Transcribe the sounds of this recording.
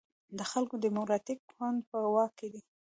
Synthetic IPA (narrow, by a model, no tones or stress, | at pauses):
d̪əxalkod̪əmokɾɑt̪ikxwand̪̚pəwɑkːed̪i